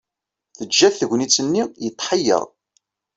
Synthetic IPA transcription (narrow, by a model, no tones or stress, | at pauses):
θəd͡ʒːæθθəʝʷnit͡sːənːijət̪ˤːħəjːə̰ðˤ